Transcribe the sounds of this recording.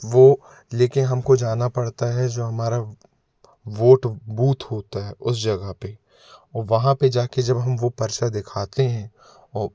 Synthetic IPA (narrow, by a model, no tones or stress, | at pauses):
ʋoː | leːkɪnɦɐmkod͡ʒaːnapɐɽt̪aɦɛd͡ʒoːɦɐmaːɾa | ʋoːʈbuːt̪ɦoːt̪aɦɛʔʊs̬d͡ʒɐɡəɦpe | ɔːɾʋɐɦãped͡ʒaːked͡ʒɐbɦɐmʋopɐɾʃad̪ɪkʰaːt̪eɦɛ̃ː | ɔː